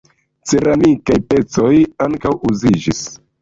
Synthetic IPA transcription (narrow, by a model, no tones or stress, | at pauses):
t͡se̞ɾamikajpe̞t͡so̞jaŋkawuzid͡ʒis